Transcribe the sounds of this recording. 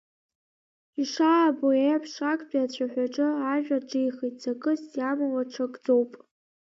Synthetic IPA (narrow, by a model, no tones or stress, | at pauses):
iʂaːboeapʰʂakʼdʷʼiat͡ɕʷʰaħᶣʷaʈ͡ʂʼɨaʒᶣaʈ͡ʂʼejχitʼzakʼɨsjamawaʈ͡ʂʰakʼd͡zo̞wpʼ